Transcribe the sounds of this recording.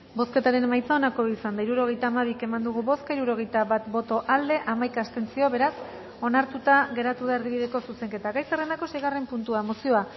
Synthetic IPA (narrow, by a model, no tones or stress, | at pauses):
bo̞ske̞t̪aɾe̞nmajt͡sao̞nako̞isand̪aiɾuɾo̞ɣ̞e̞jt̪aːmaβike̞mand̪uɣuβo̞skaiɾuɾo̞ɣ̞e̞jt̪aβat̪bo̞t̪o̞ʔald̪e̞ʔamajkaːst̪e̞nt͡sio̞βe̞ɾas | o̞naɾt̪ut̪aɣe̞ɾat̪uðaeɾðiβ̞iðe̞ko̞suse̞ŋke̞t̪aɡajserend̪ako̞se̞jɣare̞mpunt̪uamo̞sio̞a